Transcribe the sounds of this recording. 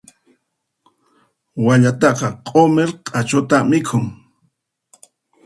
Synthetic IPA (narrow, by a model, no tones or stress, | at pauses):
waʎat̪ɑqɑqʼomeɾqʼat͡ʃʊt̪amɪkʰʊŋ